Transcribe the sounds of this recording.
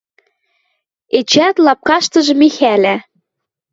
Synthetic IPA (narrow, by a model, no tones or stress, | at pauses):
et͡ɕæt̪lɑp̚kɑʃt̪ɤ̆ʒɤ̆mixælæ